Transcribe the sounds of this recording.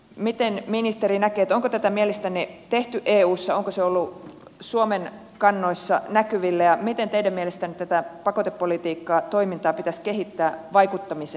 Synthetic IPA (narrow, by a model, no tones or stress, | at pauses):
mit̪enminist̪eɾinækeːt̪oŋkot̪æt̪æmielest̪ænːet̪eht̪yʔeːuːsːɑoŋkoseolːu | suomen | kɑnːo̞isːɑ̰nækyʋilːæjɑmit̪ent̪eidæmmielest̪ænːet̪æt̪æpɑkot̪epːolit̪iːkːɑːt̪o̞imint̪ɑːpit̪æskeɦit̪ːæːʋɑjkut̪ːɑmise